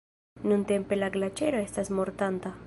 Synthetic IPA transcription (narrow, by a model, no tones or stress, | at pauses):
nũnt̪empelaɡlat͡ʃeɾoest̪asmoɾt̪ant̪a